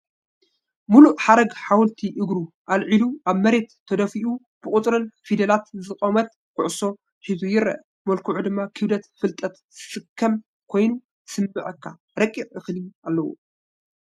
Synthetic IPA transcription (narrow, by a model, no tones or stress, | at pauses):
muluʔħaɾɐɡħawlt̪ʰiʔɨɡɾu | ʔalʕiluʔaβmɐɾe̞t̪ʰːɐd̪ɐfiʔu | b̥ɨkʼʊt̪ʼɾɨnfid̪ɐlat̪zɨkʼomɐt̪̚ | kʰʊʕʊso̞ | ħizujɪɾɐ̰ʔ | mɐlkʰuʕud̪ɨmːakʰɨβd̪ɐt̪fɨlt̪ʼɐt̪ | zɨsɨkʰːɐm | kʰo̞jnu | sɨmːɨʕɐkʰːa | ɾɐkʼːiʕɨxlialːɐwṵ